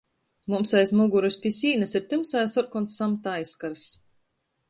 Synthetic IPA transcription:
mumsajsmuɡuɾuspʲisʲiːnasiɾt̪ɨmsajsɔɾkɔnsːamt̪ajskaɾs

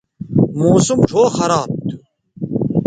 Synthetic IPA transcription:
moːsumʈ͡ʂʰoːxɐɾaːb̚t̪ʰu̥

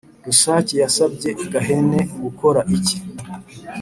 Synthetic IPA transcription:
ɾuʃaːcijasab̚ɟe̞ɡaɦe̞ne̞ɡuko̞ɾaʔici̥

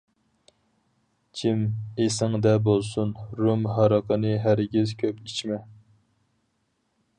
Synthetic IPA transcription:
t͡ʃʰimesɪŋd̪ɛbolˠsunɾumɦɑɾɑqənɨɦæɾɡʲizkʲʰøpit͡ʃʰmɛ

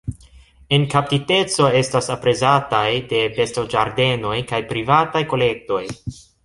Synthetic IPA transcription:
e̞nkap̚tite̞t͡so̞e̞stasapɾe̞zatajde̞be̞stod͡ʒaɾde̞no̞jkajpɾivatajko̞le̞k̚to̞j

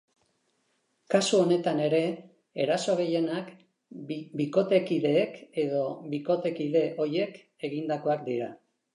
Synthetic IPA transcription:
kasuo̞ne̞t̪ane̞ɾe̞ː | ɾaso̞ɣ̞e̞je̞nak | biko̞t̪e̞kiðe̞ːke̞ð̞o̞βiko̞t̪e̞kiðe̞ʔo̞ɾje̞k | e̞ɣind̪ako̞akd̪iɾa

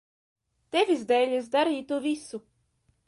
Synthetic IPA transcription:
t̪evʲizd̪ɛjlʲasd̪aɾiːt̪uvʲisu

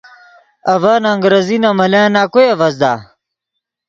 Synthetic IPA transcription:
ɐvaːnaːŋɡɾɐzinamɐlaːnaːkojɐvɐzd̪aː

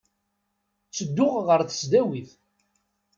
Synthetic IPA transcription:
t͡sːəd̪ːʊʁʁəɾθə̥sd̪æwiθ

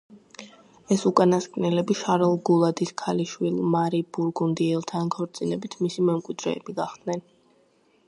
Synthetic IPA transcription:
ɛsukʼanaskʼnɛlɛbiʃaɾɛlˠɡulˠad̪iskʰaliʃwilˠmaɾibuɾɡund̪iɛlˠt̪ʰankʰɔɾt̪sʼinɛbit̪ʰmisimɛmkʼwid̪ɾɛ̰ːbiɡaχd̪̥nɛn

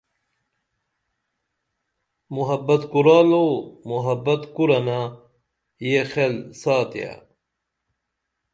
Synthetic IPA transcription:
muɦɐbɐt̪kuɾaːlomuɦɐbɐt̪kuɾɐna | jexelsaːt̪ija̰

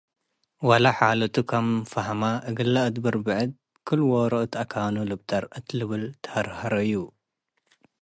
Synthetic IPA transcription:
walaħalɐt̪ʰukʰamfɐɦmaʔɨɡɨlːaɨd̪bɐɾbɨʕɨd̪̚ | kʰɨlːwoɾɐʔt̪ʰakʰanulɨbt̪aɾɨt̪lɨβɨlt̪ʰɐ̥hɐɾhɐɾɐjːu

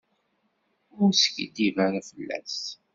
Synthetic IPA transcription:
ʊɾsçḭd̪ivæɾæfəlːæ̰s

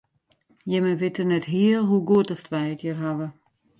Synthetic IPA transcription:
jɛmənʋɪtərnɛtɦiəlˠɦuɡuətɔftʰʋɛjətʰjərɦaʋə

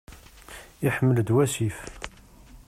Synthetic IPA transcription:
iħəmːəld̪wæsif

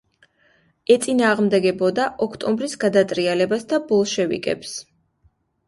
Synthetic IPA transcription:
ɛt̪sʼinaːʁmd̪ɛɡɛbɔd̪aʔɔkʰt̪ʼɔmbɾisɡad̪at̪ʼɾialɛbasd̪abɔlˠʃɛvḭkʼɛ̰ps

